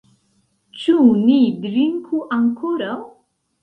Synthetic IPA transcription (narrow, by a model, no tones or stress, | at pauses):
t͡ʃunid̪ɾiŋkʰuʔaŋkʰoɾaw